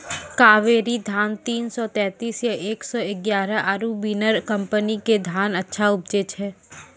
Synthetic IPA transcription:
kaːʋeːɾid̪ʱaːnt̪iːnsɔt̪ɛ̃ːt̪iːsjaʔeːksɔɪɡjaːɾəʔaɾubiːnəɾkɐ̃mpəniked̪ʱaːnɐtːʃʰaʊb̚d͡ʒet͡ʃʰɦɛː

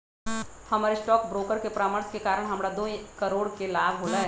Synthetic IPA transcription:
hɐmaːɾesʈɔːkbɾoːkəɾkepɾaːməɾskekaːɾəɽ̃ɦɐmɽad̪oːĩkɐɾoːɽkelaːbɦoːlaɦɛ

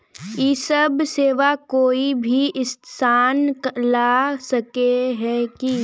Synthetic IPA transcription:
iːsəbseːʋakoːibʱiʔɪssaːnklasɐkeɦɛki

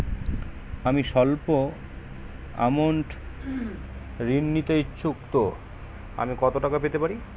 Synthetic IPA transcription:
amiʃɔlpo | a̰moɳʈ | ɾinːit̪et͡ɕʰukt̪o | a̰mikɔt̪oʈakapet̪epaɾi

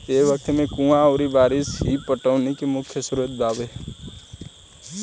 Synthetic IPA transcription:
eːʋək̚t̪mẽkũːãoːɾibaːɾɪsɦipəʈəːnekemʊkʰjəsɾuət̪̚d̪aːʋe

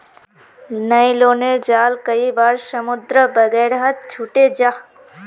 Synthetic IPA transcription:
nɐiloːneɾd͡ʒaːlkɐibaːɾsɐmʊd̪ɾəbɐɡɛːɾɦɐt̪̚t͡ʃʰuʈed͡ʒaː

